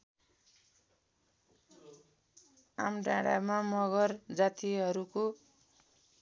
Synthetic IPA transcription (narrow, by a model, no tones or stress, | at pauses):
a̰mɖãɽa̰mamʌɣʌrd͡zat̪iɦʌɾuko